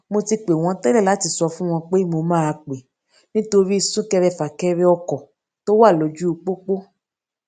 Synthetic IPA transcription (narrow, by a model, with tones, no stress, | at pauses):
mo˧ti˧k͡pe˨w̃ɔ̃˧tɛ˦lɛ˦˨la˨˦ti˧˨sɔ˧fũ˦w̃ɔ̃˧k͡pe˦mo˧mãː˦˧k͡pe˨ | nĩ˦to˧ɾi˦˧sũ˦kɛ˧ɾɛ˧˨fa˨kɛ˧ɾɛ˧ɔ˧kɔ˨ | to˦wa˦˨lo˨˦d͡ʒu˦u˧k͡po˦k͡po˦